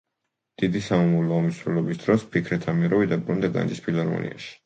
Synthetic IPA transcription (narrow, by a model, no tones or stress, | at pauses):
d̪̥id̪isamamavlɔɔmisɾɛlɔbisd̪̥ɾɔspʰikʰɾɛt̪ʰamiɾɔvid̪abɾund̪aɡ̪a̰nd͡ʒispʰilˠaɾmɔ̰nḭa̰ʃi̥